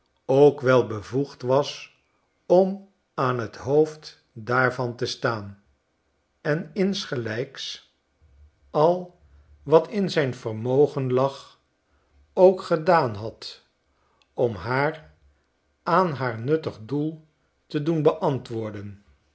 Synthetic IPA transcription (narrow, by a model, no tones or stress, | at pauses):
owkʋɛlˠbəvuχtʋɑs | ɔm | aːnɦətɦowft | daːɹvɑntəstaːn | ɛnɪnsχəlɛjks | ɑlˠ | ʋɑtʰɪnzɛjnvərmowχənlɑχ | owkχədaːnɦɑt | ɔmɦaːr | aːnɦaːɹnɵtəχdulˠ | tədunbəʔɑntʋʊːɹdən